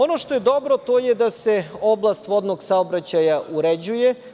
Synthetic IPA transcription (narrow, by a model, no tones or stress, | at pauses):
o̞no̞ʃt̪o̞jed̪o̞bɾot̪o̞ːjed̪ase̞o̞blˠast̪ʋo̞d̪noɡsaobɾat͡ɕajaʔuɾed͡ʑuje